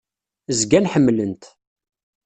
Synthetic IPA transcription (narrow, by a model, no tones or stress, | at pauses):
zɡænħəmːlənt̪